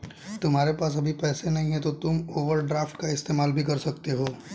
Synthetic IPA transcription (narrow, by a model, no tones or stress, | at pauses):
t̪ʊmɦaːɾepaːsɐbʱipɛːsenɐɦĩɦɛt̪ot̪ʊmoːʋəɾɖɾaːfʈkaɪst̪eːmaːlbʱikɐɾsɐk̚t̪eɦoː